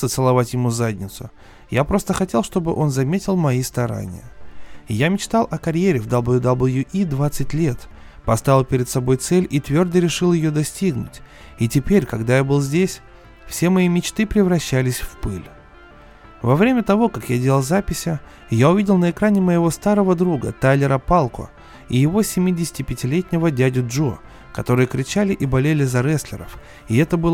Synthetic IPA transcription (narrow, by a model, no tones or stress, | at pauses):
ət̪sɨlˠɐvatʲjɪmuzadʲnʲɪt̪sʊ | japɾo̞st̪əxɐtʲe̞lˠʂt̪o̞bɨʔo̞nzɐmʲetʲɪlˠmɐist̪ɐɾa̰nʲɪ̰jə̰jamʲɪt͡ɕt̪alˠɐkɐɾʲjeɾʲɪvd̪ablˠjʊd̪ablˠjuʔid̪vat̪sɨtʲlʲe̞t̪ | pɐst̪avʲɪlˠpʲɪɾʲɪd̪sɐbo̞jt̪sɛlʲit̪vʲord̪əɾʲɪʂɨlˠjɪjo̞d̪ɐsʲtʲiɡnʊ̰tʲ | itʲɪpʲeɾʲkɐɡd̪ajabɨlˠzʲdʲesʲ | fsʲe̞mɐimʲɪt͡ɕt̪ɨpɾʲɪvɾɐɕːælʲɪsʲfpɨlʲ | vɐvɾʲemʲət̪ɐvo̞kakjadʲelʲəlˠzapʲɪsʲɪ | jaʊvʲidʲɪlˠnəɪkɾanʲɪməjɪvo̞st̪aɾəvəd̪ɾuɡə̰t̪ajlʲɪɾəpalˠkʊ̰ | ɪ̰jɪvo̞sʲɪmʲidʲɪsʲɪ̥tʲɪpʲɪtʲɪlʲetʲnʲɪvədʲædʲʊʐo | kɐt̪o̞ɾɨjəkɾʲɪt͡ɕalʲɪʔibɐlʲelʲɪzɐɾɛsʲlʲɪ̰ɾə̰f | ɪɛt̪əbɨlˠ